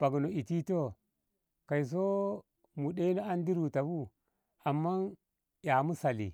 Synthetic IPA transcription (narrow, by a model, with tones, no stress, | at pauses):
b̥a˨ɡno˨i˨ti˦to˦ | ka˨i˨s̬o˦ | mu˨ɗe˦i˦no˦a˦ndi˦ɾu˨ta˨bu˦ | a˨mːa˦n | ja˨mu˦sa˨lḭ˨